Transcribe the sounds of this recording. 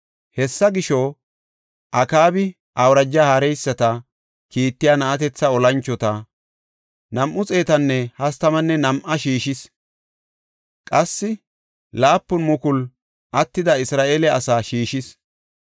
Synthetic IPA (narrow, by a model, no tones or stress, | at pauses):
hɛsːɐɡɪʃɔ | ʔɐkaːbɪ | ʔɐwɾɐd͡ʒːahaɾɛjsːɐt̪ɐ | kiːt̪ːɪjaːnɐʔɐt̪̬ɛt͡sːɐɔlɐnt͡ʃːɔt̪ɐ | nɐmʔʊt͡sʼe̞ːt̪ɐnːɛhɐst̪ɐmɐnːɛnɐmʔɐʃiːʃɪs | kʼɐsːɪ | laːpːʊnmʊkʊl | ʔɐt̪ːɪd̪ɐɪsɾaːʔe̞ːlɛɐsaːʃiːʃɪs